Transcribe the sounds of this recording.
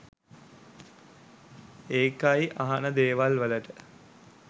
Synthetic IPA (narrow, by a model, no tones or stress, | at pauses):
eːkajʔaɦanəd̪eːʋalʋələʈə